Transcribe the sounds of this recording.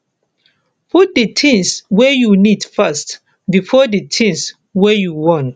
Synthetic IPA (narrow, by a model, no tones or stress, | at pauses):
pʰut̚dətʰĩŋswejunid̥fast | bifɔditʰĩŋs | wejuwɔ̃n